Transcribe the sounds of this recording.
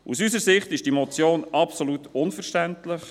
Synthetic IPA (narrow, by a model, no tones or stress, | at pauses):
ṵsysəɾsɪχtɪʃd̥imot͡sjoːnɑpsolut̪ʊnfəɾʃtæntlɪχ